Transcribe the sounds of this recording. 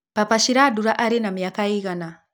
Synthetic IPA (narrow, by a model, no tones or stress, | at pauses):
papaʃiɾaːduɾaʔaɾinamiakaiɣana